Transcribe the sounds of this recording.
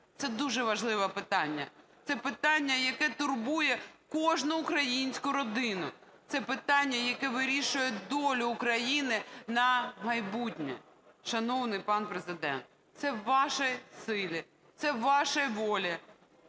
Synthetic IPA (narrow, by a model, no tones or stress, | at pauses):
t̪sɛd̪uʒɛʋɐʒlˠɪʋɐpɪt̪ɑnʲːɐ̰t̪sɛpɪt̪ɑnʲːɐjɐkɛt̪ʊrbujɛkɔʒnʊːkɾɐjinʲsʲkʊɾɔd̪ɪnʊt̪sɛpɪt̪ɑnʲːɐjɐkɛʋɪɾʲiʃʊjɛd̪ɔlʲʊːkɾɐjinɪnɐmɐjbutʲnʲɛ̰ | ʃɐnɔwnɪjpɑnpɾezɪd̪ɛ̰nt̪̚ | t̪sɛːɑʃɛjsɪlʲɪ | t̪sɛʋɑʃɐʋɔlʲi